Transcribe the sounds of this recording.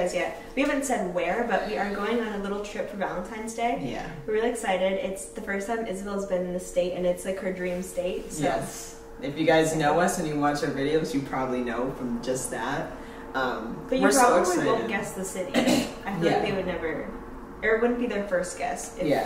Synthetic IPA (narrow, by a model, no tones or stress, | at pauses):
zjæ | wiævn̩sɛd̚wə˞bʌʔ̚wiə˞ɡoʊɪ̃ŋə̃nəlɪɾl̩ˠtʰɹ̥ɪpfə˞vælˠə̃ntʰãɪ̃nzdeɪjæ̰wɨɹɹɪlˠiɨksaɪɾɪɾɪtsðɨfɜ˞stʰãɪ̃mʔɪzbɛlˠzbɨ̃ñn̩ðɨsteɪɾɨ̰̃nɨtslaɪkhə˞dɹĩmsteɪt̚sjɛ | ɨfjɨɡaɪznoʊʌsɨ̃njɨwɑt͡ʃə˞vɪɾioʊzjɨpʰɹ̥ɑbəblinoʊfɹʌ̃md͡ʒʌs̚ðæt̚ | ʌ̃mb̥ʌt͡ʃɨɹɑbəbliõʊ̃nɡ̥ɛsðɨsɪɾḭʔaɪhæðeɪwɨdⁿnɛvə˞ | ə˞t̚wʊdⁿn̩b̥iðə˞fɜ˞st̚ɡ̥ɛ̰stɨjæ̰